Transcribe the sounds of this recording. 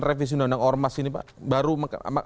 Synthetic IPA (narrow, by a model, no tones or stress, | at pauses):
refis̬unandaŋɔrmasinipa̰ʔbaɾumakma